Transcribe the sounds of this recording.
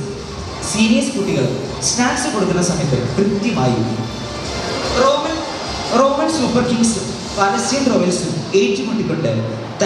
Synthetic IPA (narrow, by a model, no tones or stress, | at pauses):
siːnijɐskuʈːiɣɐɭ | snaːksɨko̞ɽuk̪ːunːɐsɐmɐjɐt̪ːɨ̰krɨt̪jɐmaːjṵmːu | o | ro̞ːmɐnsuːpːɐrkiŋɡsɨ | pɐlɐsjɐt̪roʋeːsɨeːtːumoɳɖikːoɳɖɐ | t̪